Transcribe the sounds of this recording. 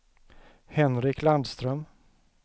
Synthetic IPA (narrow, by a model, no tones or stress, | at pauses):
hɛnɾɪkʰland̪st̪ɾœm